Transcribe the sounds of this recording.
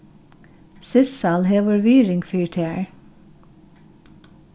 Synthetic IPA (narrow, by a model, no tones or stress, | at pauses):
sɪssɑːlɦeːʋəɹʋiːɹɪŋɡfyːɹʈʰeæɹ